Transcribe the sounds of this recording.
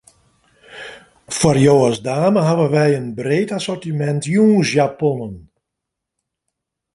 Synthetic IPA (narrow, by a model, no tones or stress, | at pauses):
fwɔrjoːəzdaːməɦaʋənʋɛjənbreːtasɔrtimɛntjuːnsjapɔnən